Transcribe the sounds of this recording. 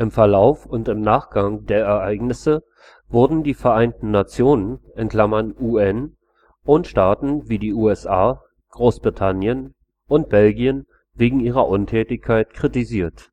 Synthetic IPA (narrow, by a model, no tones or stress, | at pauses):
ʔɪmfɛɐlaʊfʊntɪmnaːχɡ̥aŋdeːɐɛɐʔaɪɡnɪsə | vʊɐdn̩diːfɛɐʔaɪntn̩ːat͡sjoːnənʔɪnkl̥amɐnʔuːɛn | ʔʊnʃtaːtn̩viːdiːʔuːɛsʔaː | ɡ̥ʁoːsb̥ʁitʰanjən | ʔʊnt̚b̥ɛlɡiən | veːɡŋ̩iːʁ̞ɐʔʊntʰɛːtɪçkʰaɪtkʁ̥itiziːɐt